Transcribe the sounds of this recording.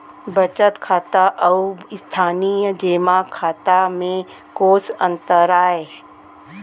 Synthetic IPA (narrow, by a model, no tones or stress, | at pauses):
bət͡ʃət̪kʰaːt̪aʔɐɪst̪ʰaːnijəd͡ʒeːmakʰaːt̪amẽ | koːsə̃nt̪əɾaːe